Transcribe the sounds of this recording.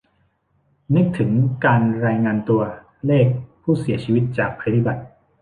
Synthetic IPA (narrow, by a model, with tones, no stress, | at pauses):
nɯ˦˥k̚t̪ʰɯ˩˦ŋkaː˧nɾaː˧jŋaː˧nt̪u˧ɐ | leː˥˩k̚pʰːuː˥˩si˩˦ɐt͡ɕʰiː˧wi˦˥t̪̚t͡ɕaː˨˩k̚pʰːɾa˧d̪i˦˥˩ba˨˩t̪̚